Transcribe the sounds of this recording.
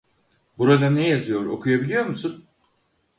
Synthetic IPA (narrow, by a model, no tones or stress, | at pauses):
buɾad̪anɛjazɯjo̞ɾo̞̰kʰujabilʲijo̞ɾmusun